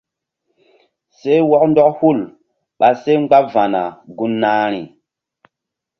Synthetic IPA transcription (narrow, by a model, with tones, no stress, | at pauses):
se˦wɔ˦kndɔ˦khu˦˨l | ɓa˨se˦ŋ͡mɡ͡ba˦pva˨na̰˨ɡu˦nːa˦ɾ̃ḭ˨